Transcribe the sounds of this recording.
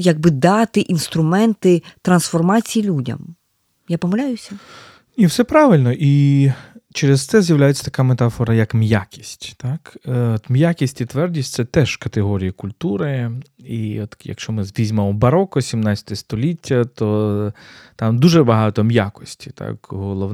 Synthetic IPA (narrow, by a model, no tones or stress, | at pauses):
jɐɡ̚bɪd̪ɑt̪ɪʔinst̪ɾʊmɛnt̪ɪt̪ɾɐnsfɔrmɑt͡sʲijilʲudʲɐ̰m | japɔmɐlʲajʊsʲɐ | nʲiwsɛpɾɑʋɪlʲnɔʔi | t͡ʃɛɾezt̪sɛzʲjɐwlʲajet͡sʲːɐ̥t̪ɐ̥kamet̪ɑfɔɾɐjɐkmjakʲi̥sʲtʲt̪ɑkɔt̪mjakʲisʲtʲit̪ʋɛrdʲisʲtʲt̪sɛt̪ɛʒ̥kɐt̪eɦɔɾʲijɐkʊlʲt̪uɾɪ | iɔt̪jɐ̰kʃt͡ʃɔmɪzʋʲizʲmɐmɔbɐɾɔkɔsʲimnɑt͡sʲɐ̥t̪ɔɛst̪ɔlʲitʲʰːɐt̪ɔ | t̪ɑmd̪uʒɛbɐɦɑt̪ɔmja̰kɔ̥sʲtʲi̥t̪ʰa̰kɦɔlˠɔ